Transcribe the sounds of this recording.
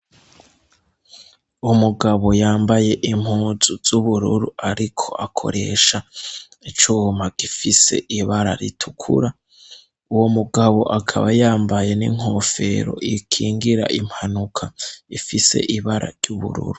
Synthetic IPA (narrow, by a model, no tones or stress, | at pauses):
umuɡaβo̞jaːmbaje̞ʔim̥huːzuz̥uβuɾuɾuaɾikʰo̞ʔakʰo̞̰ɾe̞̰ʃa | it͡ʃuːmaɡ̥ifise̞̰ʔiβaɾa̰ɾḭtʰukʰṵɾa | uwomuɡaβo̞ʔakʰa̰βajaːmbaje̞nḭŋ̥o̞fe̞̰ɾo̞̰ʔikʰiːŋɡiɾa̰ʔim̥hanukʰaifise̞̰ʔiβaɾʔa̰ɾɟuβṵɾṵɾu